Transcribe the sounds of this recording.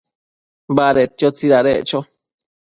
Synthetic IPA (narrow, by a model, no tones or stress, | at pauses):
baɾet̪jot͡siɾaɾḛʔt͡ʃo